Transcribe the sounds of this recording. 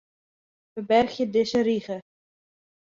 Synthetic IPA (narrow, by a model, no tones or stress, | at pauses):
fəbɛrxjədɪsəɾiχə